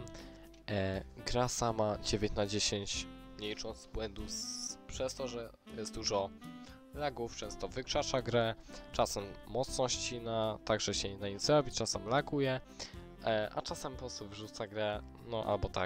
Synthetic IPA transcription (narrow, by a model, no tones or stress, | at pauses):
ɡɾasamad͡ʑevʲẽɲt͡ɕnad͡ʑeɕeɲt͡ɕmɲejʂɔ̃zbwɛnd̪ufpʂɛst̪ɔʐɛ | jɛst̪d̪uʐɔ | laɡuft͡ʂɛ̃ñst̪ɔvɘkʂat͡ʂaɡɾɛt͡ʂasɛmːɔt̪snɔ̃ɕt͡ɕinat̪aɡʐɛɕɛnaizɾɔbʲit͡ʂasɛmlaɡujɛ | ʔa̰t͡ʂasɛmpɔst̪uvʐut̪saɡɾɛ | nɔʔa̰lbɔt̪a̰k